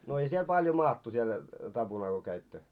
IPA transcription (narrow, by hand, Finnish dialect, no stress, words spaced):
no ei siel pɑljo mɑːtːu siel tɑb̥unɑl ko kæitːø